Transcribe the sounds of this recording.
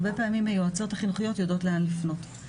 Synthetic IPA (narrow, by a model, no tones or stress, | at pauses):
be̞peːmimajuat͡so̞taχinuχijo̞tjodo̞tleanlifno̞t